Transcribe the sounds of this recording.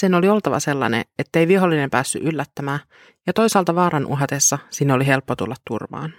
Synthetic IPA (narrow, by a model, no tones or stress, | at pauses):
seno̞lio̞lt̪ɑʋɑ̰se̞lːɑ̰nḛet̪ːe̞ijʋiɦolːine̞mpæːsːy̰ʔylːæt̪ːæmæː | jɑt̪o̞jsɑːlt̪ɑʋɑːɾɑnʔṵɦɑt̪esːɑsinːeoliɦe̞lpːot̪ulːɑt̪tːṵrʋɑ̰ːn